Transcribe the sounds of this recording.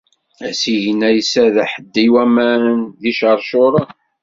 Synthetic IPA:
æsijənːæjəsæðæħəd̪ːiwæmænðiʃəɾˤʃoɾˤɑ

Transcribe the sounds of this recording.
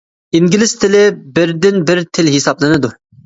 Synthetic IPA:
iŋɡʲilˠɪst̪ʰɪlɪbɪɾd̪ɪnbɪɾt̪ʰɪlɦisɑblˠɨnɨd̪u

